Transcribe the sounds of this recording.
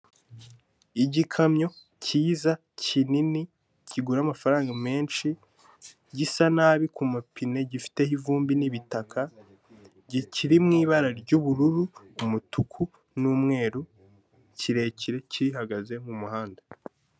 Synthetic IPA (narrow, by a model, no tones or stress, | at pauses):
iɟikʰamɲo̞ | cʰiːza | cinini | ciɡuɾaːmafaɾaːŋɡame̞ːnʃi | ɟisanaːβikumapʰine̞ɟifi̥te̞hivuːmbiniβitakʰa | ɟiciɾimŋiːβaɾaɾɟuβuɾuɾuːmutukʰu | nuːmŋe̞ːɾu | ciɾe̞ciɾe̞ciɾiɦaɡaze̞mumuhaːnda